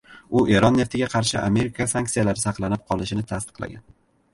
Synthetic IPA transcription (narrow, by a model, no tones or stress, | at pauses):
ʊʔe̞ɾɒnːe̞ft̪ʰɪɡʲaqʰɑɾʃɪʔa̰me̞ɾɪkʰasaŋk̚t̪ijalaɾɪsɑqlˠanɪp̚qʰɒlˠɪʃɪnɪt̪ʰast̪ɨ̥qlˠa̰ɡʲa̰n